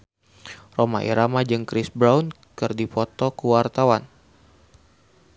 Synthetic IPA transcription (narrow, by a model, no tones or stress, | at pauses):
roma̰ʔḭɾamad͡ʒɨŋkɾisbɾawn | kɨrdipɔt̪ɔkuwart̪awan